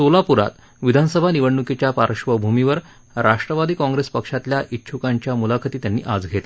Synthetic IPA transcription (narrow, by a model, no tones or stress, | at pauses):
solapuɾa̰t̪ | ʋid̪ʱanəsəbʱaniʋəɳːuket͡ɕjapaɾɕʋəbʱumiʋəɾ | ɾaʂʈɾəʋad̪ʱiːkɔ̃ŋɡɾespəkʂat̪ljaʔit̪ːɕʰukaɲt͡ɕjamulakʰət̪iːt̪janːḭːʔad͡zɡʱet̪le